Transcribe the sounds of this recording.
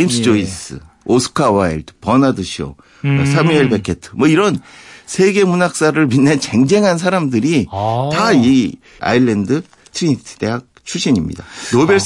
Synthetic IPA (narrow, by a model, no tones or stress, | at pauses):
eimsʰɯd͡ʑois͈ɯ̰ | osʰɯ̥kʰawaiɭdpʌnadɯɕʰio̰ | sʰamieɭbekʰetʰɯ̥mwʌiɾʌnsʰe̞ɡe̞munak̚s͈aɾɯɭminːent͡ɕe̞ŋd͡ʑe̞ŋɦans̬ʰaɾamdɯɾitai | a̰iɭːendɯ | tʰɯɾiɲitʰɯ̥deɦak̚t͡ɕʰuɕʰiɲimɲḭda̰nobeɭ